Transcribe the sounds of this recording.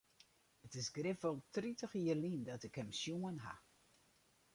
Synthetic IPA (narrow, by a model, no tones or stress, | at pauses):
ətɪsɡrɪfɔlˠtritəxiərlindɔtɪkhɛmsjuənɦa̰